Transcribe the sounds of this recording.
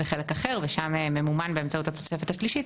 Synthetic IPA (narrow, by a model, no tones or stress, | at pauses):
beχele̞kaχe̞ʁveʃamememumanbe̞emt͡sauthat͡sosefet̪aʃliʃit